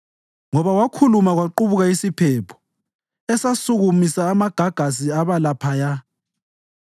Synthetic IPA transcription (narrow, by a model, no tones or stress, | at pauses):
ŋɔβawakʰulumaɣwaǃuβuɣaisipʰɛpʰɔ̥ | ɛsasuɣumisaːmaɡ̥ʱaɡ̥ʱas̬iaβalapʰaja